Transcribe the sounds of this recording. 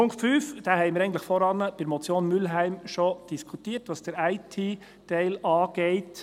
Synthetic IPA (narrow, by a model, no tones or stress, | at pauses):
pʊŋkʰtfyːfd̥æːhɛɪmɪɾɛɪən̩tləχfɔɾɑnəb̥ɪɾmɔt͡sjoːnmylɦæɪmʃɔd̥iskʰutiːəɾtʋɑːsd̥əɾæɪtʰiː | tɛɪlɑːɡ̥ɛɪt